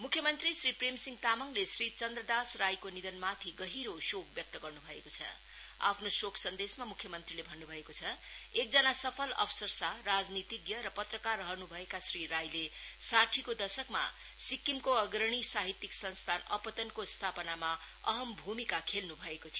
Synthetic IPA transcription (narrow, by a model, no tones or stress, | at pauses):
mukʰːjʌmʌnt̪risripremsiŋɡt̪amʌŋlesrit͡sʌnd̪rʌd̪asrajkonid̪ʌnmat̪ʰiɡʌɦiɾosok̚bjʌk̚t̪ʌɡʌrnubʱʌḛkot͡sʰʌ̰ | a̰pʰnosokʰsʌnd̪esmamukʰjʌmʌnt̪rilebʱʌnːubʱʌekot͡sʰʌ | ek̚d͡zʌnasʌpʰʌlʌ̰bsʌrsarad͡znit̪iɡjʌɾʌpʌt̪rʌkarːʌɦʌnubʱʌekasriɾajlesaʈʰikod̪ʌsʌkma̰ | sikːimkoʌɡɾʌɽ̃isaɦit̪ːiksʌnst̪ʰanʌ̰pʌt̪ʌnkost̪ʰapʌnama | ʌɦʌmbʱumikakʰelnubʱʌekot̪ʰij